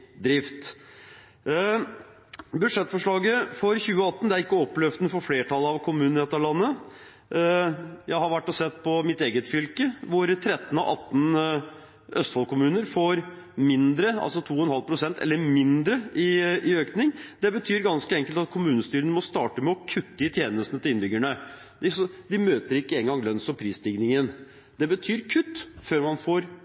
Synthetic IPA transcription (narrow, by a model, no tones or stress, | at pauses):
d̪ɾɪft̪ | bʉd̪ʂɛt̪ːfɔʂɭɑːɡəfɔɾçʉːəɑt̪ːn̩d̪ɛæɾɪkːəɔpːlɛfd̪n̩fɔɾfleːʈʰɑlɑʋkʰʊmʉːnnɛt̪ɑɾɭɑnːə | jæɪhɑɾʋæʈːɔsɛt̪ːpʰɔmɪt̪eːɡət̪fʏlkəʋʊɾt̪ʰɾɛt̪ːn̩ɔ̰ʔɑt̪ːn̩ | ʔœst̪fɑlkʰʊmʉːnəɾfoːɾ | mɪnd̪ɾəɑ̰lsɔt̪ʰuːɔɛnhɑlpʰɾʊsɛnt̪ʰɛ̰lːəɾmɪnd̪ɾəɪɪøːknɪŋd̪ɛbət̪ʰyːɾɡɑnskəɛŋkəlt̪ɑt̪̚kʰʊmʉːnəst̪yːɾənəmɔst̪ɑːʈəmɛɔkʰʉt̪ːəɪt̪ʰjeːnəst̪nət̪ɪlɪnbʏɡæɳə | d̪ɪsɔd̪ɪmøːt̪əɾɪkːəeːŋɡɑŋlœnsɔpʰɾiːst̪ɪɡnɪŋən | d̪̥ɛbət̪ʰyːɾkʰʉt̪ːføːɾmɑnfoːɾ